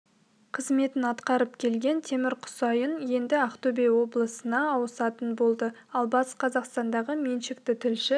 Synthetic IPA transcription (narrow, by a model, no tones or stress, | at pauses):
qʰəzme̞t̪ɪnɑt̪qɑɾəp̚kʲʰe̞lɡʲe̞nt̪ʰe̞mɪɾqʰʊ̥sɑjənje̞nd̪ɪɑqt̪obejwo̞blˠəsənɑːwəsɑt̪ənbo̞lˠd̪ə | ɑlˠbɑsqʰɑzɑqst̪ɑnd̪ɑʁəme̞nʃɪkt̪ɪt̪ʰʏlʃɪ